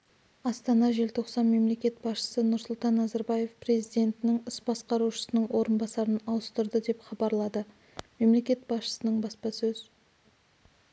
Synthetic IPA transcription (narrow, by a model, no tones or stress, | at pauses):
ɑst̪ɑnɑʒe̞lt̪ʰo̞qsɑnme̞mle̞kʲe̞t̪̚b̥ɑsʃə̥sənʊɾsʊlˠt̪ɑnːɑzɑɾbɑje̞fpre̞zijd̪e̞nt̪ɪnɪŋʏsbɑsqɑɾuʃə̥sənəɴwo̞ɾənbɑsɑɾənɑwəst̪əɾd̪əd̪e̞pχɑbɑɾlˠɑd̪ə | me̞mle̞kʲe̞t̪̚bɑsʃə̥sənəɴbɑspɑsɵz